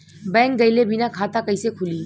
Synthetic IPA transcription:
bɛ̃ŋk̚ɡəjlebʱinakʰat̪akəjsekʰuli

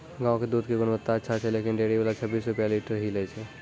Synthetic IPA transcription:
ɡãːõked̪uːd̪̚keɡʊnʋət̪ːatːʃʰat͡ʃʰɛleːkɪnɖeːɽiʋalat͡ʃʰɐbːiːsɾʊpjaliːʈəɾɦilet͡ʃʰɛː

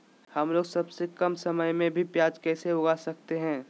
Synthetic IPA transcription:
hɐmloːɡsɐbsekɐmsɐməjmẽbʱipjaːd͡ʒkɛːseʊɡasɐk̚t̪eɦɛ̃ː

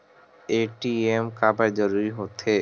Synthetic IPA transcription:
eʈiemkabaɾd͡ʑoɾuɾiɦot̪ʰe

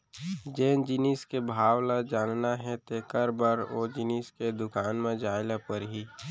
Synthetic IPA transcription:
d͡ʒeːnd͡ʒɪniːskebʱaːwlad͡ʒaːnnaɦɛ̃t̪ekəɾbəɾod͡ʒɪniːsked̪ʊkaːnmẽd͡ʒaːɪlapəɾɦi

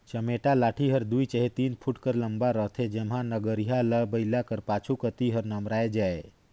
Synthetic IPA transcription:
t͡ʃəmeʈalaːʈʰiɦəɾd̪uit͡ʃəɦet̪iːnpʰuʈkəɾləmbaɾəɦt̪ʰed͡ʒemɦãnəɡəɾiɦaləbəlakəɾpat͡ʃʰukət̪iɦəɾnəmɾaːed͡ʒae

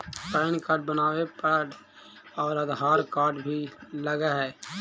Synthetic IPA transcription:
paːɪnkaːɾɖbənaːʋepaɖ | ɔːɾəd̪ɦaːɾkaːɾɖbʱiləɡaɦɛː

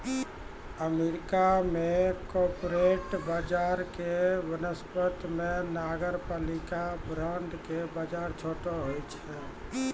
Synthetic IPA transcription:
əmeɾikamekɔpɾeʈbad͡ʒaɾkeʋənəspət̪menaɡəɾpalikabɾəɳɖkebəd͡ʒaɾt͡ʃʰoʈoɦojt͡ʃʰɛ

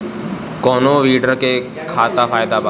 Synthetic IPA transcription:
kɔnoʋiːɖəɾke | kʰat̪afʰajd̪aba

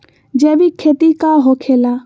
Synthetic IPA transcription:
d͡ʒebikʰet̪ikaɦokʰela

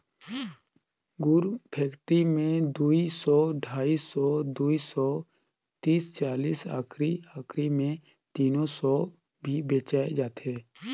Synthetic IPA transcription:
ɡʊɾpʰɛːkʈɾimẽd̪uːisɔːɖʱaːisɔd̪uːisɔː | t̪iːst͡ʃaːliːsaːkʰɾiaːkʰɾimẽ | t̪iːnosɔ | bʱibeːt͡ʃaːed͡ʒaːt̪ɦɛː

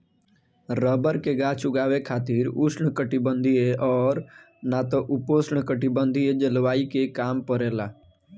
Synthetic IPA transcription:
ɾəbəɾkeɡaːt͡ʃʊɡaːʋekʰaːt̪iːɾusɳkəʈibənd̪ʱieʔɔːɾ | nat̪oʔʊpoːsɳkəʈibə̃nd̪ʱied͡ʒəlʋaːikekaːmpəɾeːlaː

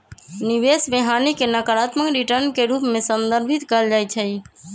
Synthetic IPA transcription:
nibesbeɦanikenəkəɾat̪məkɾiʈəɾnkeɾupmesənd̪əɾbʱit̪kəld͡ʒajt͡ʃʰəj

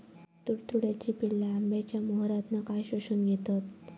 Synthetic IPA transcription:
t̪uɽt̪uɽjat͡ɕiːpilːaːmbjat͡ɕjamoɦɾat̪nakajɕoɕuːnɡʱet̪at̪

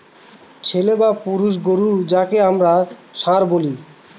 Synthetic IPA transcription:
t͡ɕʰelebapuɾuʃ̬ɡoɾud͡ʑakeamɾaʃãɾboli

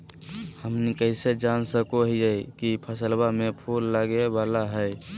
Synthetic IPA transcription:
həmnikəɪsed͡ʒansəkoɦiəkipʰəsəlbamẽpʰulːəɡebalaɦəj

